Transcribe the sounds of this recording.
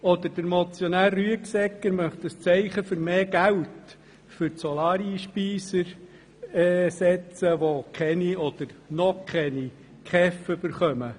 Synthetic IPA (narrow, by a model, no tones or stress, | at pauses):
ɔd̪əɾd̥əɾmɔt͡sjonæːrːyəksɛkːəɾmœχt̪əst͡sɛɪχəfʏɾmeːɡ̥æwt | fʏɾtsɔlɑːɾiʃpiːsəɾ | ɛːsɛt͡səʋokʰχɛniɔd̪̥əɾnɔkʰχɛni | kχɛfb̥əɾχœmə